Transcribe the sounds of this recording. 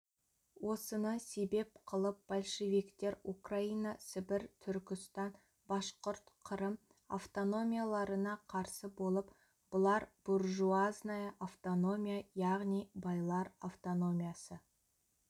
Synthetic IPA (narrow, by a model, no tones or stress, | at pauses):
wʔo̞sənəse̞be̞pqʰəlˠəp̚b̥alʲˠʃe̞vikt̪e̞ɾukraijnasɪbɪɾt̪ʰʏɾkʲɪst̪ɑn | bɑʃqʊɾt̪qʰəɾəm | a̰ft̪o̞no̞mʲijalˠɑɾənɑqʰɑɾsəbo̞lˠəp | b̥ʊlˠɑɾb̥orʒuaznajəʔaft̪o̞no̞mʲijajɑʁnijbɑjlˠɑɾaft̪o̞no̞mʲijasə